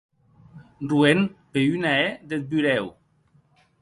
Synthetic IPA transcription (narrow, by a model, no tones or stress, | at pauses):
ruenpeynaed̪et̪̚byɾɛw